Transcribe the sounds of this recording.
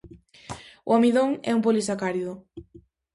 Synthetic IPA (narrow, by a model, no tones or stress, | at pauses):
ʊ̰amiðoŋɛ̰umpolisakaɾiðʊ